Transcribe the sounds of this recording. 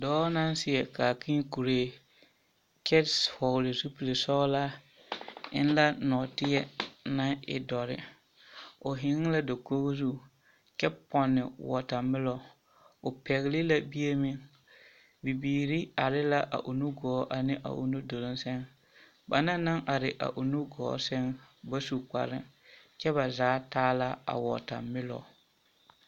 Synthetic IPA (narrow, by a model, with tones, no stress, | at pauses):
dɔː˦na˦n˦sɪ˦ɛ˨ka˨kʰĩ˦ku˨ɾeː˨ | kɛ˦tshɔ˨ɣlɪ˨su˦pi˨le˨sɔ˦la˦ | ɪ̰˦n˦la˦nɔ˨tɪ˦ɛ˦na˦ɪ̰˨dɔ˨ɾɪ̰˦ | ʊ˨ɦɪ˨ŋ˦la˦do˨ko˦ɣzu˦ | kɛ˦pːɔ˨nːɪ̰˨wɔ˨ta˨mɪ˦lɔ˨ | ʊ˨pɛ˨ɣɪ˦lɪ˦la˦bi˦je˦mɪ˦ŋ | bi˨biː˨ɾi˦a˨ɾɪ˦la˦ʔa̰˨ʔʊ˨nu˦ɡɔː˨˦ʔa˨nɪ˦ʔa̰˨ʔʊ̰˨nu˦do˨lo˦nsɛ˦ŋ | ba˨na˦na˦ŋʔa˨ɾɪ˨ʔa̰˨ʔʊ˨nu˦ɡɔ̰ː˨˦sɛ˦ŋba˦su˨ka̰˨ɾɪ̰˦ŋ | t͡ʃɛ˦βa˨zaː˨˦taː˦la˦a̰˨wɔ̰˨ta̰˨mɪ˦lɔ̰˨